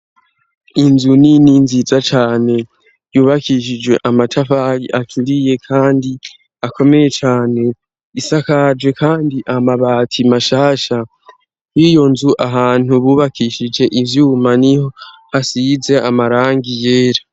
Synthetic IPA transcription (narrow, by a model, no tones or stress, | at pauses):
inzunininzizat͡ʃaːne̞ | juːβakiʃ̬id͡ʒwe̞ʔamatʰafajiatʰuɾije̞kʰaːndi | akʰo̞me̞je̞t͡ʃaːne̞ | isakad͡ʒwe̞kʰaːndiʔamaβaːtʰimaʃaːʃa | jijo̞nzuʔaɦaːn̥huβuːβakʰiʃid͡ʒe̞ʔivjuːmaniho̞hasize̞amaɾaːŋɡije̞ːɾa